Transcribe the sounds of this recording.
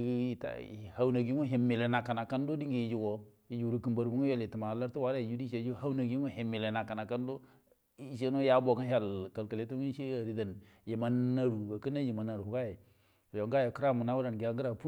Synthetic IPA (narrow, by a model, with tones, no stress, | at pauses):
i˨ta̰˨ha˦wna˨ɡi˦o˦ɦe˨mːe˨le˨na˨ka˨na˨ka˦n˦do˦di˦ŋɡi˨ji˨d͡ʒu˨ɡo˨ji˦d͡ʒu˨ɾu˨ki˨mba˨ɾbu˦ŋ˦jo˦˨le˨ti˨ma˨la˦ɾtu˦wa˦ɾa˦i˨d͡ʒu˦di˦ʃe˨˦d͡ʒha˦wna˨ɡi˦o˦he˨mːe˨le˨na˨ka˨na˨ka˦n˦do˦ | ʃ̬e˦no˦ja˦bo˨ka˦n˦a˦˨lka˨lka˨le˦tu˦i˦ʃe˦a˨ɾi˨da˨n | ji˨ma˨nːa˨ɾu˨ɡa˨ki˦na˦ji˨ma˨nːa˨ɾu˨hu˨ɡa˦je˨ | jo˨ŋɡa˦je˨kə˦ɾa˦˨mu˨na˦wu˦ɾa˨n˨ɡi˨a˨ŋɡə˦ɾa˨pu˦